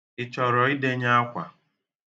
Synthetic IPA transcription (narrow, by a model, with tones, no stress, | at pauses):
ɪ˨t͡ʃɔ˨ɾɔ˨i˦de˦ɲa˦a˦kʷa̰˨